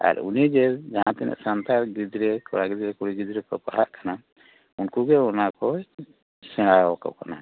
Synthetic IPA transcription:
a̰ɾṵnid͡ʒɛd͡ʒaɦãt̪ɛnɛ̰ʔsant̪aɾɡid̪ɾekɔ̰ɽaɡid̪ɾɛkuɽiɡid̪ɾɛkɔpaɦaʔkana | unkuɡɛɔnakɔ | sɛ̃ɽaka̰wkana̰

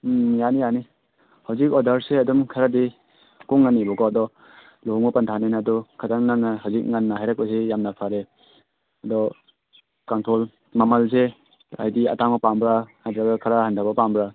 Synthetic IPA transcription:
janijani | hawzik̬̚ɔdaɾseadɔmkʰaɾadi | kuŋːanːibɔɡɔːdɔ | luŋɔpantʰanenadɔkʰadaŋnanahawzik̚ŋanːaɦajɾak̚pas̬ejamnapʰaɾe | adɔ | kantʰɔl | mamalse | a̰jdia̰taŋɔpambɾahajdɾaɡakʰaɾahantʰabapambɾa

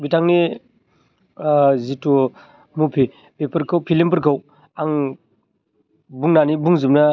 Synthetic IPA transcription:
bitaŋni | zito | mupʰi | bepɐɾkʰawpʰilimpɯɾkʰaw | aŋ | buŋnanibuŋzimnɐ

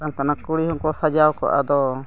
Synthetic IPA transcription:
amkanakuɽihɔŋkɔsad͡ʒawkɔ̰ʔa̰d̪ɔ

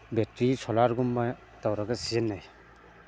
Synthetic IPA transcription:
betɾisʰɔlaɾɡumba | tawɾaɡasijenːaj

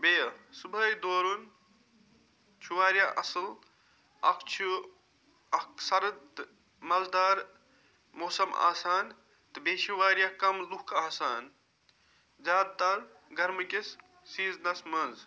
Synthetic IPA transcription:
beːsubɐjd̪oːɾun | t͡ʃʰuʋaːɾjaʔɐsəl | ɐkt͡ʃʰu | ɐksɐɾɐd̪ | mɐld̪aːɾ | moːsɐma̰ːsaːn | t̪ɨbeːt͡ʃʰuʋaːɾjakɐmlukʰaːsaːn | d͡ʒaːd̪̚t̪ɐɾ | ɡɐɾmkis | siːznɐsmɐnz

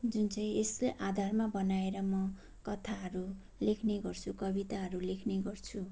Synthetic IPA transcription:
d͡zunt͡sʌĩesleʔad̪ʱarmabʌnaeɾʌmʌ | kʌt̪ʰaɦʌɾu | lekʰneɡʌrt͡sʰukʌbit̪aɦʌɾulekʰneɡʌrt͡sʰu

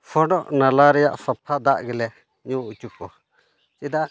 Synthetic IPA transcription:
fʰɔɖɔʔnalaɾɛja̰ʔsɔpʰːad̪aʔɡɛlɛ | ɲũut͡ʃukɔ̰ | t͡ʃid̪aʔ

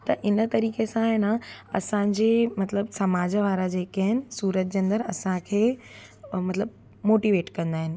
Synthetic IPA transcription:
t̪ɐʔɪnət̪ɐɾiːkesãɦɪnəɐsãːɲd͡ʑeːmɐt̪ləbsɐmaːd͡ʑʋaːɾad͡ʑeːkaɦɪnɪ̆suːɾət̪̚d͡ʑeːɐ̃nd̪əɾɐ̰sãkʰeː | mɐt̪ləb | moːʈiːʋeːʈkɐ̃nd̪aːɦɪnɪ̆

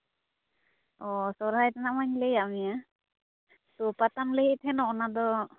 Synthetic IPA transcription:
ɔsɔɾɦajt̪anaʔmaɲlɛjaʔmija | topat̪anlɛɦit̪ʰhɛnɔʔɔnad̪ɔ

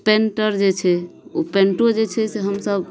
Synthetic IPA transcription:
peɳʈəɾd͡ʒet͡ʃʰɛupeɳʈod͡ʒet͡ʃʰɛseɦəmsəb

